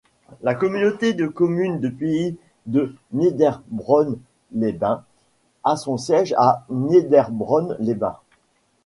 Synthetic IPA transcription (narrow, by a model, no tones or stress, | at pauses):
lakɔmynot̪ed̪əkɔmynd̪əpei | d̪əned̪ɛʁbʁɔn | lebɛ̃ | asɔ̃sjɛʒaned̪ɛʁbʁɔnlebɛ̰̃